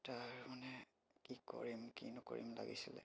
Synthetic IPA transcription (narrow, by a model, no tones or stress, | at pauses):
taɹmanɛ | kiko̰ɹimkinɔkoɹimla̰ɡisilɛ